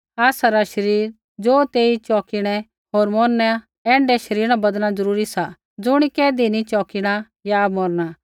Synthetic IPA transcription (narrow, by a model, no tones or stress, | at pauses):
aːsaɾaʃɐɾiːɾ | d͡zoːt̪eːit͡ʃɔːkɪɽ̃ɛ | ɦoːɾmɔːnːɛ | ɛ̃ːɳɖɛʃɐɾiːɾɾ̃abɐd̪nad͡zɐɾuːɾisa | d͡zʊɽ̃ikɛːd̪init͡ʃɔːkɪɽ̃a | jamɔɾɽ̃a